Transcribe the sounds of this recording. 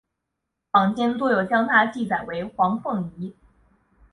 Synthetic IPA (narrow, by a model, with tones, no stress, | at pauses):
pɑ˨˩ŋt͡ɕjɛ˥nt̪wɔ˥jo˨˩ʊt͡ɕjɑ˥ŋt̪ʰa˥t͡ɕi˥˩t͡sa˨˩ɪwe˧˥ɪxwɑ˧˥ŋfʰɤ˥˩ŋi˧˥